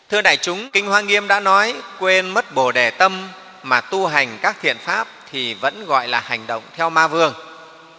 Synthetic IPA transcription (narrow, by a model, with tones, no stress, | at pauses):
t̪ʰɨ˧əɗa̰ː˧˨jt͡ɕʊ˨˦ŋ͡mkï˧ŋ̟hwaː˧ŋi˧əmɗa̰ː˧˥nɔ˨˦jkwe˧nmə˦˥t̚ɓo˧˩ɗe˧˩t̪ə˧mː | aː˨˩t̪u˧ɦa˨˩jŋ̟kaː˦˥k̚t̪ʰḭ˧˨ənfaː˦˥p̚t̪ʰi˨˩və̰˧˥nɣɔ̰˧˨jlaː˨˩ha˨˩jŋ̟ɗə̰˧˨wŋ͡mt̪ʰɛ˧wmaː˧vɨ˧əŋ